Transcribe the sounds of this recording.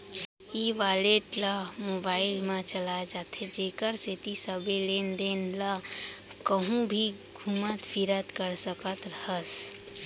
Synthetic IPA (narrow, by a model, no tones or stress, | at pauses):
iʋaleʈləmobaɪlmẽt͡ʃəlad͡ʒat̪ʰed͡ʒekəɾset̪isəbelend̪enləkəɦũbʱi | ɡʱumət̪pʰiɾət̪kəɾsəkət̪ɾəɦəs